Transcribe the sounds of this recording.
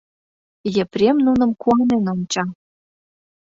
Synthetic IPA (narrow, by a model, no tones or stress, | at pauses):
jə̆pɾʲemnunə̆mkuɑnenont͡ɕɑ